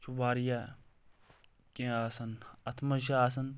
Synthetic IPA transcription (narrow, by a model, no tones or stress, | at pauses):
t͡ʃubaːɾija | kẽaːsɐnɐt̪ʰmɐʃ̬as̬ɐn